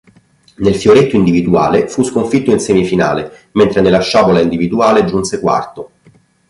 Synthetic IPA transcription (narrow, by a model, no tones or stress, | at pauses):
nelfjoɾet̪ːoind̪ivid̪ua̰ːlefuskoɱfit̪ːoinsemifina̰ːlement̪ɾenelːaʃaːvolaind̪ivid̪uaːled͡ʒunsekwa̰rt̪o